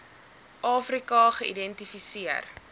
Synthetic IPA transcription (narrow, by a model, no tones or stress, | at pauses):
ʔɑːfrikɐχəʔḭdɛntifisiər